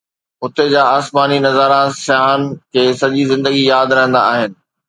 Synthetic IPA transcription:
ʊt̪ed͡ʑaːaːsmaːninɐzaːɾãsjaːnkʰeːsɐʄizɪ̃nd̪əɡijaːd̪ɾɐɦə̃nd̪a̰ːɦɪnɪ̆

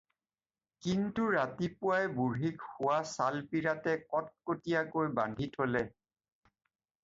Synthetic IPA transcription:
kintuɹatipʊajbuɹɦikhʊwasalpiɹatɛkɔt̚kotijakojbandʱitʰolɛ

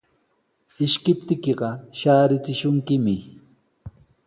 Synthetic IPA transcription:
ɪʃkɪp̚t̪ɪkɪɢɑʃaːɾɪt͡sɪʃʊŋkɪmɪ

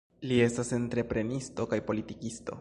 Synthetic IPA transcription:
lie̞stase̞nt̪ɾe̞pɾe̞nisto̞kajpo̞litikisto̞̰

